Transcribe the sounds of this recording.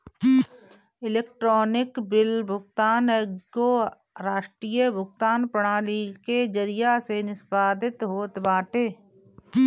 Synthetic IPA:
ɪleːkʈɾoːnɪkbɪlbʱʊɡt̪aːnəɡo | ɾaːʃʈɾiːjəbʱʊɡt̪aːnpəɽ̃aːliked͡ʒəɾɪjasenɪsbaːd̪ɪt̪ɦoːt̪baːʈeː

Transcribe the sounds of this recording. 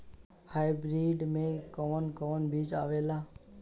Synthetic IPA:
haːɪbɾiːɖmẽkɔːnkɔːnbʱiːd͡ʒa̰ːʋeːlaː

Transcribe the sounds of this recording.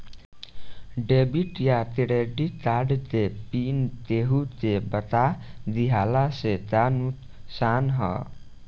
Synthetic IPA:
ɖebiʈjat̪eɽeɖit̪aɖt̪epint̪eɦut̪ebət̪ad̪iɦalaset̪anut̪ | sanɦʌ̰

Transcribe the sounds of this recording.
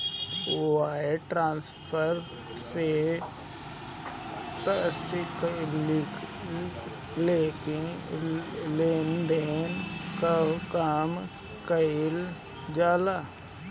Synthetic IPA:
uaːeʈɾãːnspʰəɾ | se | t̪əsɪkl | leːke | leːnd̪enkəkaːm | kəil | d͡ʒaːla

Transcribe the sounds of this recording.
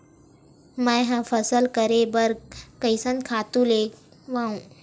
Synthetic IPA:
mə̃jɦãfʰəsəlkəɾebəɾkəjsə̃n̚kʰat̪ũle | ʋãũ

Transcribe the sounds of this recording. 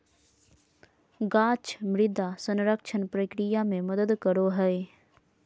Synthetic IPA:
ɡaːt͡ʃmɾɪd̪ʱasə̃nɾəkʃʰənpɾəkɾɪjamẽməd̪əd̪kəɾoɦɛ

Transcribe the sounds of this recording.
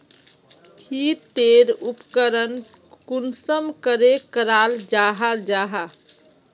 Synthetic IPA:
kʰit̪eɾupkəɾən | kunsəmkəɾekəɾald͡ʒaɦad͡ʒaɦa

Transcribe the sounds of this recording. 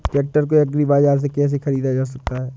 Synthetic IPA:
ʈɛːk̚ʈəɾk̬oɐɡɾibaːzaːɾs̬ekɛːs̬exɐɾiːd̪ad͡ʒaːs̬ɐk̚t̪aɦɛː

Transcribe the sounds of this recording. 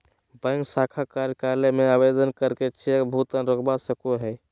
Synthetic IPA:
bə̃ŋɡsakʰakaɾjəkaɾlemeabed̪ənkəɾket͡ʃʰebʱut̪ənɾokbasəkoɦɛ

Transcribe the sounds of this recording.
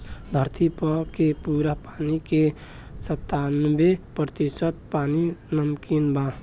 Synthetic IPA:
d̪ʱəɾt̪ʰipəkepuːɾapaːnike | sət̪ːanʋepɾət̪isət̪̚paːninəmkinbã

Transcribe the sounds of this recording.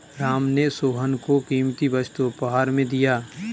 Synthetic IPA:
ɾaːmnesoːɦənkokiːmt̪iʋət͡ʃt̪upəɦaːɾmẽd̪ijaː

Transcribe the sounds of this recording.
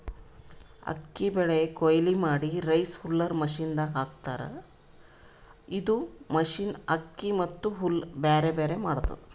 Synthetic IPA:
ɐ̰kːibɛɭekojlimaːɽiɾɐjshulːɐɾmɐʃind̪ɐɦaːk̚t̪aːɾɐ̰ | id̪umɐʃiːnɐkːimɐt̪ːuɦulbeːɾebeːɾe̞maːɽt̪ːɐ̰

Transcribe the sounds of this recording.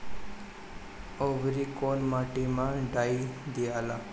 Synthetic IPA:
oːʋɾikoːnmaːʈimãɖaːid̪ijaːla

